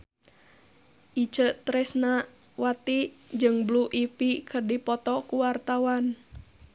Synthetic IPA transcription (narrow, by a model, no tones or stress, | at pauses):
ʔit͡ʃəʔt̪ɾɛsna | wat̪id͡ʒɨŋbluʔipikʰərdipɔt̪ɔkuwart̪awan